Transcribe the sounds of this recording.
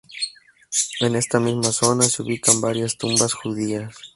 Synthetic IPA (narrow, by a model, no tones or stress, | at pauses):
e̞ne̞st̪amizmaso̞naseuβikambaɾjast̪umbasxuðias